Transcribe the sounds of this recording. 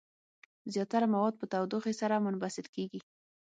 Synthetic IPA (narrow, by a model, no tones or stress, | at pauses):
zjɑt̪aɾamawɑd̪̚pət̪awd̪oxesaɾamʊnbasɪd̪keɡi